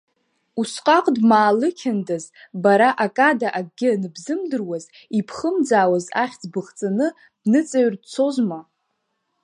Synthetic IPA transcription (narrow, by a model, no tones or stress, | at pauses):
usqʼaqʼdmaːlɨkʲʰandazbaɾaʔakʼadaʔaɡ̚ɡʲɪnɨbzɨmdɨrwaz | ipʰχəmd͡zaːwazaχʲd͡zbɨχt͡sʼanɨ | d̥nɨt͡sʼaɥrdt͡sʰo̞zma